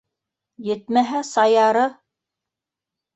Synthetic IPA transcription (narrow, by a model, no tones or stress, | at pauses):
jɘ̆t̪mæɦæsɑjɑɾɤ